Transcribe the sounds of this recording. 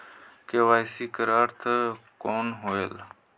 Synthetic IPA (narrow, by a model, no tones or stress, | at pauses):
keʋaːjsiːkəɾaːɾt̪ʰəkoːnɦoːeːl